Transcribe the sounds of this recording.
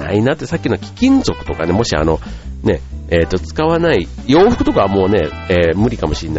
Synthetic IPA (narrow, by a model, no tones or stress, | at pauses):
a̰inat̪ːesakʲːinokʲi̥kʲĩnzo̞kɯ̟̥t̪o̞ka̰ne̞mo̞ɕia̰no̞ne̞eːt̪ːo̞t͡sɨ̥kaβanai | jo̞ːɸɯ̥kɯ̟t̪o̞kaβamo̞ːne̞ | eːmɯ̟ɾʲikamo̞ɕinːa